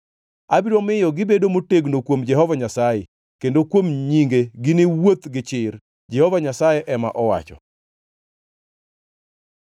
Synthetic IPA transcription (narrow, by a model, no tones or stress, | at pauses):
abiɾomɪjɔɡɪbedomoteɡnokwomd͡ʒɛhɔvaɲasaje | kendokwomɲiŋɡeɡɪnɪwot̪ɡɪt͡ʃɪɾ | d͡ʒɛhɔvaɲasajɛʔɛma̰ʔɔwa̰t͡ʃɔ̰